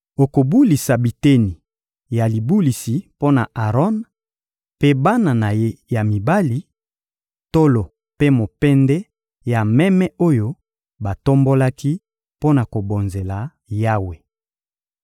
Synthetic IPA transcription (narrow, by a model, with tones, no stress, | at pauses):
o˨ko˨bu˦li˨sa˨bi˨te˦ni˨ | ja˨li˨bu˦li˨si˨po˦na˨a˨ʁɔ˦n | pe˦ba˦na˨na˨je˦ja˨mi˨ba˦li˨˦ | to˦lo˨ | pe˦mo˨pɛ˦ndɛ˦ | ja˨mɛ˦mɛ˦o˦jo˦ | ba˨to˦mbo˦la˦ki˦ | po˦na˨ko˨bo˨nze˨la˨ | ja˦we˨